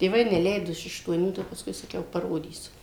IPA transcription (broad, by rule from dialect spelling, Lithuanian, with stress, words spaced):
tʲeːˈʋɐɪ nʲɛˈlʲɛɪdoː ɪʃ ɐʃtuɔˈnʲuː ˈtɐɪ jɛʊ pɐsˈkʊɪ sɐˈkʲɛʊ pɐˈroːdʲiːsʲʊ